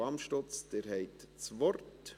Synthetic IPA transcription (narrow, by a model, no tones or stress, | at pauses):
ɑmʃtot͡sd̥eːɾhɛɪtt͡svɔɾt